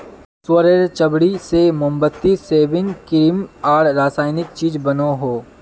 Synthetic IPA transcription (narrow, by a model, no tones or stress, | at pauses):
swəɾeɾt͡ʃɐbɽisemʊmbət̪ːiseːʋɪnkɪɾimaːɾɾaːsaːɪnɪk̚t͡ʃiːd͡ʒbɐnoɦoː